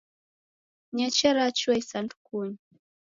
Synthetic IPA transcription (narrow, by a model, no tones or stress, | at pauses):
ɲat͡ʃaɾat͡ʃuajsantkuɲ